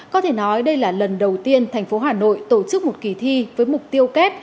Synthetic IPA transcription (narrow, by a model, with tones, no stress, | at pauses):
kɔ˨˦t̪ʰe˧˩nɔ˨˦jɗə˧jlaː˨˩lə˨˩nɗə˨˩wt̪i˧ənt̪ʰɛ˨˩jŋ̟fo˨˦ɦaː˨˩no̰˧˨jt̪o˧˩t͡ɕɨ˦˥k̚mo˨˩t̚ki˨˩t̪ʰi˧vəː˨˦jmʊ˨˩k͡p̚t̪i˧əwkɛː˦˥k̚